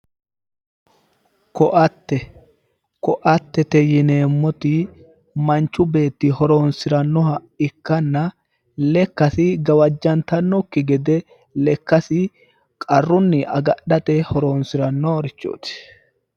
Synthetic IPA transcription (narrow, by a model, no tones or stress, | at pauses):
kɔʔɐt̪ːɛ | kɔʔɐt̪ːɛt̪ɛjɪne̞ːmːɔt̪ɪ | mɐnt͡ʃːʊbe̞ːt̪ːɪhɔɾoːnsɪɾɐnːɔɦɐ | ɪkːɐnːɐ | lɛkːɐsɪɡɐwɐd͡ʒːɐnt̪ɐnːɔkːɪɡɛd̪ɛ | lɛkːɐsɪ | kʼɐrːʊnːɪʔɐ̰ɡɐɗɐt̪ɛhɔɾoːnsɪɾɐnːɔɾɪt͡ʃːo̰ːt̪ɪ̥